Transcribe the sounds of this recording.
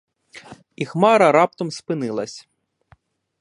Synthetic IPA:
ixmɑɾɐɾɑp̚t̪ɔmspɪnɪlˠɐsʲ

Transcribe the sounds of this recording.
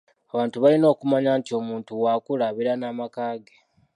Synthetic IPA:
aβaːntuβalino̞ːkumaɲantio̞muːntuwaːkulaβiɾanaːmakaːɡe

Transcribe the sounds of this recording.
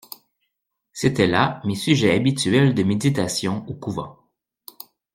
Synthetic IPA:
set̪ɛlamesyʒɛabit̪ɥɛld̪əmed̪it̪asjɔ̃okuvɑ̰̃

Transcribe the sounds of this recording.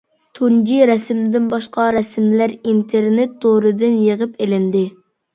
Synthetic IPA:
t̪ʰund͡ʒiɾɛsmd̪ɪnbɑʃqɑɾɛsmlæɾint̪ʰeɾnet̪ːoɾɨd̪ɪnjeʁəpʰelɪnd̪ɪ

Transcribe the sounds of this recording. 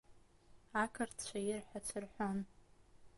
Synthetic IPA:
akʰɨrtʰt͡ɕʷʰajɪrħʷᶣat͡ɕʷʰɨrħʷon

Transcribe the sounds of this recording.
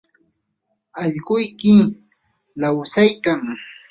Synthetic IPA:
aʎɢʊjkɪ | lawsajkaŋ

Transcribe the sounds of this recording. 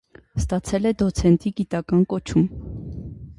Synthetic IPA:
st̪ɑt͡sʰɛlɛd̪ɔt͡sʰɛnt̪iɡit̪ɑkɑnkɔt͡ʃʰum

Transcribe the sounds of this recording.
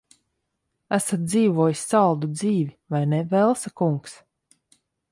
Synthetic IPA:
æsat̪̚d̪ziːvuɔjisʲːalˠd̪ud̪ziːvivajnɛvɛlˠsakuŋks

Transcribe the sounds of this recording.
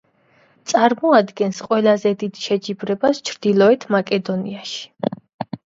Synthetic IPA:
t̪sʼaɾmɔad̪ɡɛnsqʼwɛlazɛd̪id̪ʃɛd͡ʒibɾɛbast͡ʃʰɾd̪̥ilˠɔɛt̪ʰmakʼɛd̪ɔniaʃi̥

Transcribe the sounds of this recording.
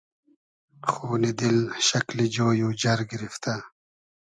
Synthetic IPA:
xuːnid̪ilɕɐklid͡ʑoːjuːd͡ʑɐɾɡiɾift̪a

